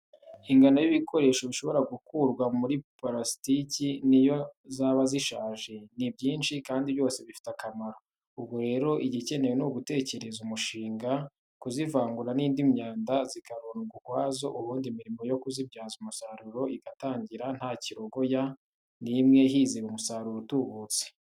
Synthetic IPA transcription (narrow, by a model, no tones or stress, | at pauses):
iŋɡanajiβikʰo̞ɾe̞ːʃoβiʃo̞βo̞ɾaɡukuɾɡwamuɾipaɾasi̥ticinijozaːβaziʃaːʒe̞nibɟiːnʃikaːndiβjo̞ːse̞βifi̥takamaɾo | ubɡoɾe̞ːɾo̞ʔiɟice̞ne̞wenuɡute̞ːce̞ɾe̞zumuʃiːŋɡa | kuzivaːŋɡuɾaniːndimɲaːndazikaɾoːnuɡuhwaːzo̞ʔuβuːndimiɾimo̞jo̞kuzibɟaːzumusaɾuɾo̞iɡataːɲɟiɾan̥haːciɾoɡo̞ja | nimŋe̞ɦiziβumusaːɾuɾotuβut͡se̥